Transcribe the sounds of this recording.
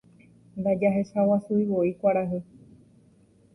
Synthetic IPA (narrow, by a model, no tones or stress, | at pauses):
nd̪ad͡ʒaɦe̞sawasuiβoikʷaɾaɦe